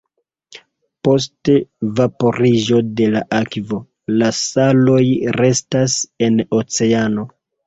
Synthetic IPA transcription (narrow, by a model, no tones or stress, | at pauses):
po̞s̬te̞vapo̞ɾiʒo̞de̞laʔakvo̞ | lasalo̞jɾe̞stase̞no̞t͡se̞ano̞